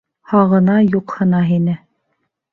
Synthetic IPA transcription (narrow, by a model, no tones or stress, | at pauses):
hɑʁɤ̆nɑjuqhɤ̆nɑɦinɘ